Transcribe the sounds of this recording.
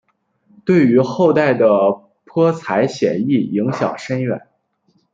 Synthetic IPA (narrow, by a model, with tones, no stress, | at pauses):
t̪we˥˩ɪy˧˥xo˥˧ʊt̪a˥˩ɪd̪ə˩ | pʰɤ˥t͡sʰa˧˥ɪɕjɛ̰˨˩ni˥˩i˧˥ŋɕjɑ˨˩ʊʂə˥nɥɛ̰˨˩˦n